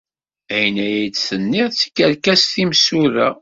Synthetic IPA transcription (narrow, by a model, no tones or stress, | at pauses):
æjnæjit͡sːθənːiʁt͡sːi̥kːæɾkæsθimsuɾæ̰